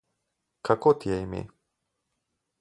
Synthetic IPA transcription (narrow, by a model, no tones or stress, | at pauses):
kʰakot̪iɛimḭ